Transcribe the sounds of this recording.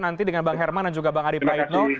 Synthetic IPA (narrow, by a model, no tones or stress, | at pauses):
nant̪idəŋanbaŋɦɛrmandand͡ʒuɡabaŋadipɾaɪt̪nɔ